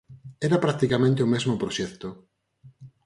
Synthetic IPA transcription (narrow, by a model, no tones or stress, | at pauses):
ɛɾapɾak̚t̪ikamẽnt̪eomezmopɾoʃɛkt̪o